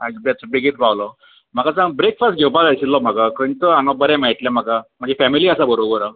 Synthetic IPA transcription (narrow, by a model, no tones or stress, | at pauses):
abjat͡sɔbeɡit̪bawlɔ | m̤akasãŋbɾekfasʈɡʱewpalajsillːɔm̤akakəɳit̪əaŋabəɾɛ̃mɛɭʈ̪ljɛm̤akam̤əɳd͡zefɛmiliəsabəɾobəɾa